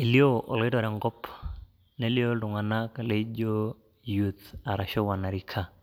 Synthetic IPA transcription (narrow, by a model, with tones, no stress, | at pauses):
e˨li˦o˦ʔɔ̰˨lɔ˨˦ɪ˦tɔ˨ɾɛ˨ŋɡɔ˦p | ne˦li˦o˦tʊ˨ŋa˨na˦ka˨le˨˦d͡ʒo˦ | jut̪a˨ɾa˨ʃɔ˦wa˨na˨ɾi˦kʰa˨